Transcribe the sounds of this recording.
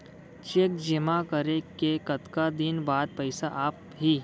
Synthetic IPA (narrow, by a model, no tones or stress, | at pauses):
t͡ʃeːk̚d͡ʒɪmakəɾekekɐt̪kad̪ɪnbaːd̪̚pɐɪsaʔaːp | ɦi